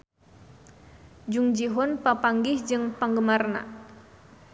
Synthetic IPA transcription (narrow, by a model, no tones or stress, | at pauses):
d͡ʒuŋd͡ʒiɦɔnpapaŋɡihd͡ʒɨŋpaŋɡəmarna̰